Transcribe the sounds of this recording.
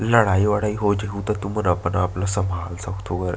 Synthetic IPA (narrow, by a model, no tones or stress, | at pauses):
ləɽaiʋaɽaiɦod͡ʒekʰut̪ət̪umənapənaplasəmʱalsakt̪ʰokəɾ